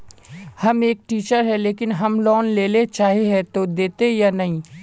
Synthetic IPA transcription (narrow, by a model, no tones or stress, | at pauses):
hɐmeːk̚ʈiːt͡ʃəɾɦɛleːkɪnɦəmlɔːnleːlet͡ʃaːɦeɦɛt̪od̪eːt̪ejanɐɦĩ